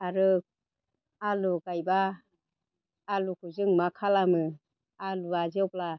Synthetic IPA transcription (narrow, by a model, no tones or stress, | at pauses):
aɾɯ | aluɡajba | lukʰuzɯŋmakʰalamɯ | aluazɯwpla